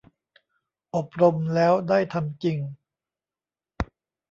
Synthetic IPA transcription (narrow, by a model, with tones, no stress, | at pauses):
ʔo˨˩p̚ɾo˧mlɛː˦˥wdaː˥˩jt̪ʰa˧mt͡ɕi˧ŋ